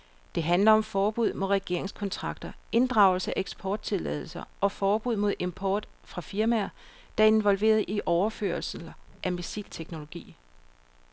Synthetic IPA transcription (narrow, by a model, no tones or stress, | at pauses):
d̥e̝ɦænlɐɒ̽mfɒːb̥uð̞̰ˠmo̝ðˠʁɛɡ̥e̝ɐ̰e̝ŋskʰɒ̽nt͡sʰʁɑ̈ɡ̥d̥ɐe̝nd̥ʁɑ̈ʊ̰l̩səæeɡ̥sb̥ʰɒːd̥̚t͡sʰe̝lɛ̰ð̞̰ˠl̩sɐʔɒ̽fɒːb̥uð̰ˠmo̝ðˠe̝mpʰɒːd̥ | fʁɑ̈fiɐmæɐd̥ɑ̈e̝nʋɒ̽lʋe̝̰ːɐð̞̩ˠiʔɒʊɐfø̰ːɐls̩ʔæmisḭlt͡sʰeɡ̥no̝lo̝ɡ̥ḭː